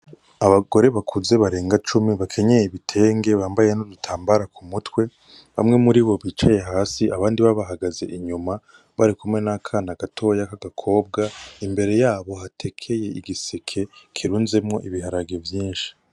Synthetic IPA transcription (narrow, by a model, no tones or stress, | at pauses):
aβaɡ̥o̞ɾe̞βakʰuze̞βaɾe̞ːŋɡat͡ʃumiβakʰe̞ɲe̞jiβitʰe̞ːŋɡe̞βaːmbaje̞nodutʰaːmbaɾakumutwe̞ | βa̰mŋe̞muɾiβo̞βiːt͡ʃaje̞ɦaːsiʔaβaːndiβaβaɦaɡaze̞̰ʔiɲuma | βaɾikumŋe̞nakʰanaɡ̥atʰo̞jakaɡakʰo̞ːb̚ɡaimbe̞ɾe̞jaːβo̞ɦatʰe̞kʰe̞je̞iɡisekʰe̞kʰiɾuːnze̞mŋo̞ʔiβiɦaɾaɡevjiːnʃi̥